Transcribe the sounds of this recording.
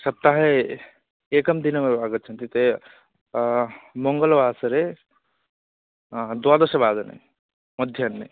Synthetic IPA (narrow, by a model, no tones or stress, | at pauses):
səb̚t̪aɦe | ekəmd̪inmebaɡət̪̚t͡ʃʰənt̪ʰit̪e | moŋɡəlbaːsəɾe | d̪uwad̪əsəbad̪ənḛ | məd̪ʱjənːe